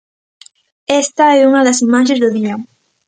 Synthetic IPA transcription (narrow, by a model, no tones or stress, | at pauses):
ɛst̪ɐɛuŋɐðɐsimaʃ̬ezðʊðiɐ